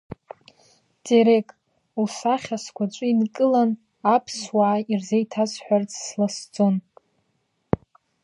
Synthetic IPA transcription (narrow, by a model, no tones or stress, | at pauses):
dʼeɾekʼ | ulsaχʲaskʷʰat͡ʃʷʼɨinkʼɨlan | apʰswaʕːirzejtʰasʷʼħʷᶣart͡sʰʼslasd͡zʼon